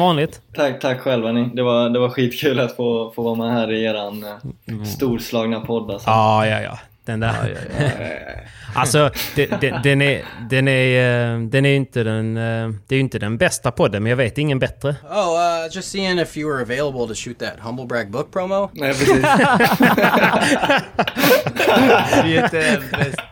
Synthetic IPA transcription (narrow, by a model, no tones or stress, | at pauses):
vɑːnlɪɡt̪t̪ʰakːt̪ʰakːɧɛlːvɛnɪd̪ɛvaɾd̪ɛvaɾɧiːt̪kʰʉ̟ːlat̪foːfoːvɑːɾmɛɦæːɾɪjeːɾanst̪uːɾslɑːɡnapʰɔd̪ːalsɔɑːjɑ̰ːjɑ̰ː | d̪̥ɛnd̪æɾ̰jɑ̰ | ʔalsɔd̪̥ɛd̪ɛd̪ɛnæɾd̪ɛnæɾd̪ɛnæɾjɪnt̪əd̪ɛnd̪̥ɛæɾjʏɪnt̪əd̪ɛnbɛst̪apʰɔd̪ːənmɛnjɑːɡveːt̪ɪŋːənbɛt̪ɾəoʊʌd͡ʒʌstsiɪ̃ŋɪfjɨwə˞əveɪlˠəbl̩ˠtʰəʃʉt̪̚ðæt̚hʌ̃mbl̩ˠbɹæɡ̚bʊk̚pʰɹ̥oʊmoʊnɛpʰɾɛsiː